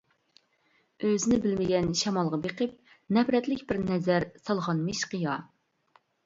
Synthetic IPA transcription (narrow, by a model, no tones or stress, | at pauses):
øzɪnɪbɪlmɪɡʲɛnʃɛmɑlˠʁɑbeqʰəp̚ | nɛfɾɛt̪lɪkʲbɪɾnɛzæɾsɑlˠʁɑnmiʃqɨjɑ